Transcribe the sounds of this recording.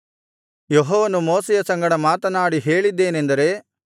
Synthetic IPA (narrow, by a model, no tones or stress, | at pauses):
jeɦɔːʋɐnumoːsɛjɐsɐŋɡɐɽɐmaːt̪ɐnaːɽiɦe̞ːɭid̪ːe̞ːne̞nd̪ɐɾe̞